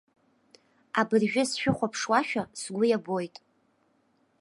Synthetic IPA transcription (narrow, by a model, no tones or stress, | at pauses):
abɨrʒᶣʊsʃᶣʊχʷapʰʂwaʃᶣasɡʷʊjabojtʼ